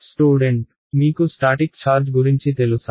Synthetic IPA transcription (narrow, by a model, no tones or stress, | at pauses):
sʈuːɖeɳʈ | mikusʈaʈikt͡ɕʰaːɾd͡ʑɡuɾint͡ʃʰit̪elusa